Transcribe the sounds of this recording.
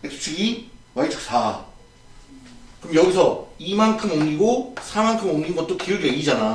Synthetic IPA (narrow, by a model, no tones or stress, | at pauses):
eksʰtʰiɡiwaitʰɯ̥ks͈ʰa | kɯɯmjʌɡisʰʌimankʰɯmomɲiɡosʰamankʰɯmomɲinɡʌt͈̚okijɯɡieid͡ʑana